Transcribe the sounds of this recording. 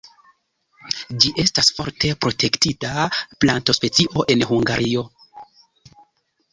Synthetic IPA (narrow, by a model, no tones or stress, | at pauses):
d͡ʒiʔe̞stasfo̞ɾtʰe̞pɾo̞tʰe̞ktitaplanto̞spe̞t͡siʔo̞ʔe̞nhuŋɡaɾʔio̞